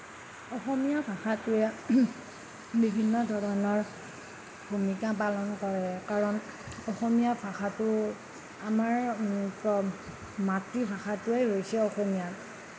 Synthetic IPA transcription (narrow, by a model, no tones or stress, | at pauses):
ɔxɔmijabʰʱaxatʊɛ | bibʱinːɔdʱɔɹɔnɔɹ | bʱumikap̬alɔnkɔɹɛkaɹɔn | ɔxɔmijabʰʱaxatʊ | amaɹpɔ | matɹibʰʱaxatʊejɦojsɛɔxɔmija